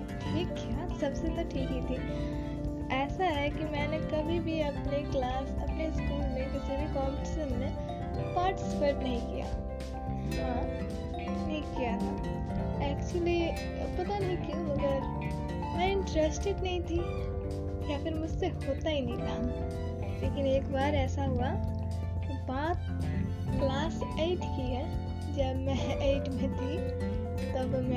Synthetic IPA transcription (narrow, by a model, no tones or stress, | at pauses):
ʈʰiːkːjaːsɐbseɐ̃nd̪aɾʈʰiːkɦit̪ʰiː | ɛːsaɦɛkimɛ̃ːnekɐbʱibʱiɐpneklaːsɐ̰pneskiːmmẽkɪsebʱikɔːmʈɪsəmnẽ | paːɾʈspeɾʈnɐɦĩkija̰ː | aː | nʰiːkːijat̪ʰa | ɛːkt͡ʃuəli | pɐt̪anɐɦĩkiũmɐɡəɾ | mɛ̃ɪ̃ɳʈɾesʈeɖnɐɦĩt̪ʰi | kiapɪɾmʊd͡ʒʱseɦoːt̪aɦinɦĩk̪aː | leːkɪneːkbaːɾɛːsaɦua | kibaːt̪ | klaːseːʈkiɛ | d͡ʒɐbmɛ̃eɪʈmɛ̃t̪ʰi | t̪ɐbmɛ̃